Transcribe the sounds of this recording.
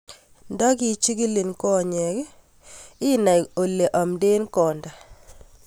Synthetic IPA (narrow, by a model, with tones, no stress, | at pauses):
ndɔ˦ɡi˦t͡ʃi˦ɡi˦li˨nkɔ˦˨ɲɛ˨k | ɪ˦na˨o˨le˨ʔɔ˨mde˦nkɔ˨nda˨